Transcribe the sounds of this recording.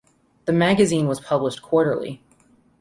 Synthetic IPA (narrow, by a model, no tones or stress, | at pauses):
ðɨmæɡɨzĩnwʌz̥pʰʌbləʃkʰw̥ɔɹɾə̰˞lˠḭ